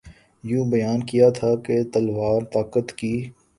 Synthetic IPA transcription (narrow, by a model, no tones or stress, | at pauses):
jũːbɐjaːnkijat̪ʰaket̪ɐlʋaːɾt̪aːkət̪kiː